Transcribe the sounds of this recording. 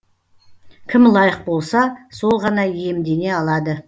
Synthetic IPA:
kʲʰɪmlˠɑjəq̚bo̞lˠsɑso̞lˠʁɑnɑje̞md̪e̞ne̞ɑlˠɑd̪ə

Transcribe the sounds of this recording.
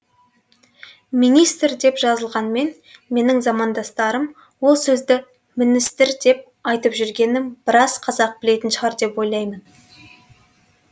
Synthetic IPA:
minijst̪ɾd̪e̞pʒɑzəlˠʁɑnme̞n | me̞nɪŋzɑmɑnd̪ɑst̪ɑɾəm | wo̞lˠsɵzd̪ɪ | mɪnɪst̪ɪɾd̪e̞p̚ | ɑjt̪əpʒʏɾɡʲe̞nɪmb̥ɪɾɑzqʰɑzɑq̚bɪle̞t̪ɪnʃəʁɑɾd̪e̞pwo̞jlˠɑjmən

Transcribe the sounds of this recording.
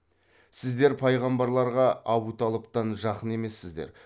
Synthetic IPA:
sɪzd̪e̞ɾpʰɑjʁɑmbɑɾlˠɑɾʁɑɑbut̪ɑlˠəpt̪ɑnʒɑqəne̞me̞sːɪzd̪eɾ

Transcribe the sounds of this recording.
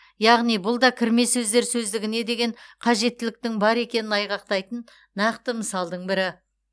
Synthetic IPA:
jɑʁnijbʊlˠd̪ɑkʲʰɪɾme̞sɵzd̪e̞ɾsɵzd̪ɪɡʲɪne̞d̪e̞ɡʲe̞ɴqʰɑʒe̞t̪ːɪlɪk̚t̪ɪŋbɑɾe̞kʲe̞nɪnɑjʁɑq̚t̪ɑjt̪ənː | ɑqt̪əməsɑlˠd̪əɴbɪɾɪ

